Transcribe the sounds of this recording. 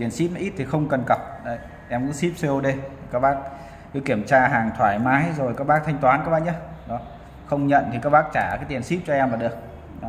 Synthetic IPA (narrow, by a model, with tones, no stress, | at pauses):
t̪i˨˩ənsi˦˥p̚nɔ˧˦ʔi˦˥t̚t̪ʰi˨˩xə˧wŋ͡mkə˨˩nka˨˩wp̚ɗə˨˧˩j | ʔɛ˧mkṵ˧˥ŋsi˦˥p̚se˧o˧ɗe˧i˨˩kaː˦˥k̚ɓaː˦˥k̚ | kɨ˨˦ki˧˩əmt͡ɕaː˧ɦaː˨˩ŋt̪ʰwaː˧˩jmaː˨˦jzo˨˩jkaː˦k̚ɓaː˦˥k̚t̪ʰa˧jŋ̟t̪waː˨˦nka˦k̚ɓaː˧˥˩ɲa˨˧˦ɗɔ˨˦ | xə˧wŋ͡mɲə̰˧˨nt̪ʰi˨˩kaː˦˥k̚ɓaː˦˥k̚t͡ɕaː˧˩kaː˨˦jt̪i˨˩ənsi˦˥p̚t͡ɕɔ˧ʔɛ˧maː˨˩ɗɨ˨˩ək̚ | ɗɔ˨˦